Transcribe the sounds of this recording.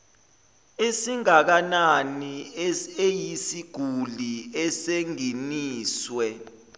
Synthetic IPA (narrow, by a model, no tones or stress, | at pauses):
esiŋak̬ananiejisiɡ̥ʱuliɛseŋiniːswɛ